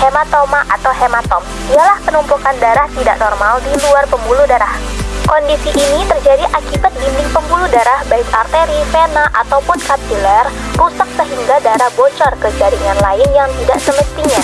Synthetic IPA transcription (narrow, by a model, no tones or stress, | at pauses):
hemat̪omaʔat̪awɦemat̪ɔm | ialahpənumpukandaɾaht̪ida̰ʔnɔrmaldiluarpəmbuludaɾahkɔndisiʔinit̪ərd͡ʒadiʔakibat̪̚bindɪŋpəmbuludaɾahbaɪsart̪eɾifenaʔat̪awpʊnkap̚t̪ilɛrpusak̚səɦiŋɡadaɾahbot͡ʃɔrkəd͡ʒaɾiŋanlaɪnjaŋt̪idaʔsəməst̪iɲa